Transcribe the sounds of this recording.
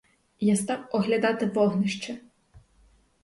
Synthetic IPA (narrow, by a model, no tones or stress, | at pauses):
jast̪ɑwɔɦlʲɐd̪ɑt̪ɪʋɔɦnɪʃt͡ʃɛ